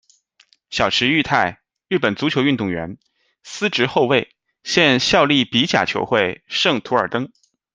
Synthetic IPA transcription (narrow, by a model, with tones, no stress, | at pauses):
ɕjɑ˨˩ʊʂʰɻ̩˧˥y˥˧t̪ʰa˥˧˩ɪ | ɻɻ̩˥˩pə˨˩nt͡su˧˥t͡ɕʰjo˧˥ʊy˥˧nt̪ʊ˥˩ŋɥɛ̰˧˥n | sɹ̩˥ʈ͡ʂɻ̩˧˥xo˥˧ʊwe˥˩ɪ | ɕjɛ˥˧nɕjɑ˥˧ʊli˥˩pi˧˥t͡ɕja̰˨˩t͡ɕʰjo̰˧˥ʊxwe˥˧˩ɪʂɤ˥˩ŋt̪ʰu˧˥ə˞˨˩t̪ɤ˥ŋ